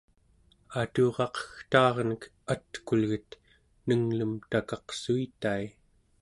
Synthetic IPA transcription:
at̪oʁɑqʰʌ̥xt̪ɑːʁnək | at̪kulɣət̪ | nəŋləmt̪akɑqsuit̪ai

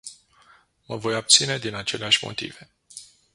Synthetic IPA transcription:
məvo̞jab̚t̪sine̞d̪inat͡ʃe̞leaʃʲmo̞̰t̪ḭve̞

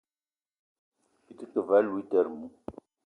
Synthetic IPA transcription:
it͡səkːəvælwit̪əɾmu

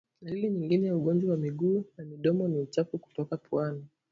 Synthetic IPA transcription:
nailiɲiŋɡinɛjauɠɔnd͡ʒwawamiɠuːnamiɗɔmɔniut͡ʃafuku̥tɔkapʰwani

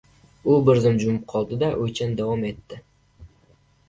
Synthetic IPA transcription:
ʊbɪɾzɪmd͡ʒʊmɪp̚qʰɒlˠd̪ɪd̪aʔɵjt͡ʃʰand̪awɒme̞t̪ːɪ

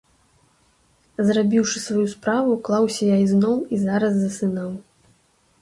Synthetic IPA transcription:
zrabʲiwʂɨsvajuspɾavuklˠawsʲɐjaiznɔwizaɾɐzːɐsɨnaw

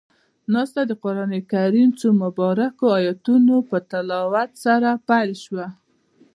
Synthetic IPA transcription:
nɑst̪ad̪əqʊɾɑnikaɾimt͡somʊbɑɾakoajɑt̪unopət̪alɑwat̪saɾapajlʃwa

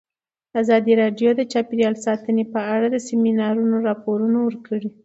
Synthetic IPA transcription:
azɑd̪iɾɑɖjod̪ət͡ʃɑpiɾjɑlsɑt̪ənepəaɽad̪əseminɑɾunoɾɑpoɾunawəɾkəɽi

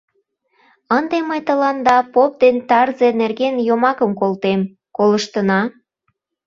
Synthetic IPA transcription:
ənd̪eməjt̪əlɑnd̪ɑpop̚d̪ent̪ɑrzenerɣenjomɑkəmkolt̪em | koləʃt̪ənɑ

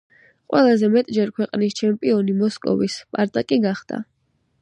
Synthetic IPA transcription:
qʼwɛlˠazɛmɛt̪ʼd͡ʒɛɾkʰwɛqʼnist͡ʃʰɛmpʼiɔnimɔskʼɔ̰vispʼaɾt̪ʼakʼiɡaχd̪̥a̰

